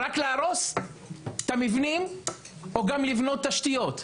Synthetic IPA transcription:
ʁakleaɾo̞s | t̪amivnim | oɡamlivno̞t̪ːaʃt̪ijo̞t̪

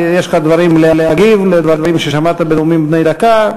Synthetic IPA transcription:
jeʃlχad̪vaɾimlelehaɡivled̪vad̪vaʁimʃeʃamat̪abedumimdnejd̪aka

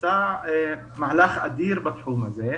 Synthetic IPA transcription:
a | maʕlaxʔa̰d̪iːɾbɑt̪ˤħuːmazeː

